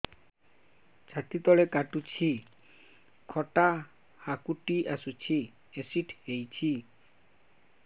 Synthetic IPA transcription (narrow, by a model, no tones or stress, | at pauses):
t͡ʃʰat̪it̪ɔɭekaʈut͡ɕʰi | kʰɔʈa | hakuʈiʔasut͡ɕʰi | esiʈʰejt͡ɕʰi